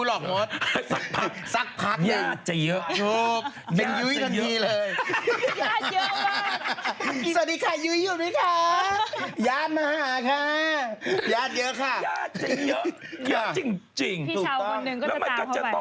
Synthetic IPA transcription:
lɔː˨˩k̚mɔː˦˥t̪sa˦˥pʰa˦˥˩ksa˦˥k̚pʰa˦˥ja˧˩˨t̪̚t͡ɕa˨˩jɤ˦˥ʔʰo˦˥p | ji˧njɯ˦˥jk̪ʰa˧niː˧˥lɤː˧j | sa˨˩t̚diː˧kʰa˧˩jɯː˦˥juː˨˩daː˦˥jkʰa˧˦˧ | jaː˦˥˩t̪̚maː˧haː˦ɦaː˨˩˦kʰa˧˥˩ | jaː˦˥˩t̪̚jɤ˦˥ʔkʰa˥˩ja˨˧˩ | jt͡ɕi˧ŋt͡ɕi˧˩ŋʰu˨˩k̚t̪ɔ˦˧˩nɯ˨˩ŋ˥lɛː˦˧˥ma˧˩ka˧˨˩t͡ɕa˨ɔ˧˦

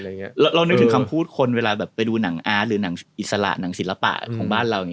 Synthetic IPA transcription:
ɾa˧wɾa˧wn̚˦˥t̪ʰɯ˩˦kʰa˧mpʰuː˥˩t̪̚kʰo˧nweː˧laː˧bɛː˨˩p̚ːa˧jduː˧na˩˦ŋʔaː˦˥ɾɯː˩˦na˨˩˦ŋʔi˨˩t̪̚sa˧la̰˨˩ʔna˩˦ŋsi˩˦la˧pa̰˨˩ʔkʰɔː˩˦ŋbaː˥˩nɾa˧wjŋ˧˦˥

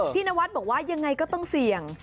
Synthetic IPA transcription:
pʰiː˥˩naː˦˧˥wa˦˥t̪̚bɔː˨˩waː˥˩ja˧ŋːa˧jkɔ˥˩t̪ɔ˥˩ŋsi˨˩əŋ

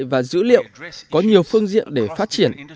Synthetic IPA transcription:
vaː˨˩zɨ̰˧˥lḭ˧˨əwkɔ˨˦ɲi˨˩əwfɨ˧əŋzḭ˧˨ənɗe˧˩faː˦˥t̚t͡ɕi˧˩ən

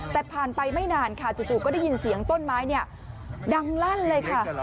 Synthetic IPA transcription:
t̪ɛː˨˩pʰaː˨˩npa˧jma˥˩jnaː˧nkʰa˥˩t͡ɕuː˨˩t͡ɕuː˨˩kɔː˥˩da˥˩ji˧nsi˩˦əŋt̪o˥˩nmaː˦˥jni˥˩ɐ | da˧ŋla˥˩nlɤː˧jkʰa˥˩

